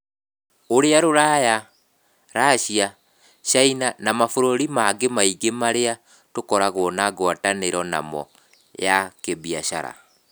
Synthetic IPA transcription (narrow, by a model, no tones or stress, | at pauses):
oɾeaɾoɾaja | ɾaːʃia | ʃainanamafoɾoɾimaɡemaiɡemaɾea | tokɔɾaɣwɔnaɣwataneɾɔna̰mɔ̰ | jakeβiaʃa̰ɾa̰